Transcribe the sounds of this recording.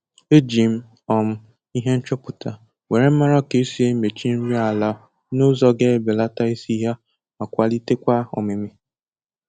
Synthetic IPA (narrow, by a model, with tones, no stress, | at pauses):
e˦d͡ʒi˨m̩˦ | ɔ˨m̩˦ | i˦ɦe˦n̩˦t͡ʃo˦pu˨ta˨ | we˨ɾe˦m̩˦ma˦ɾɔ˦ke˨˦si˨e˦me˨t͡ʃi˦n̩˦ɾi˦a˨la˨˦ | no˦zɔ˦ɡe˦be˨la˦ta˦i˦si˦ɦa˦ | a˨kʷa˦li˦te˦kʷa˦ɔ̰˨me˨mi˦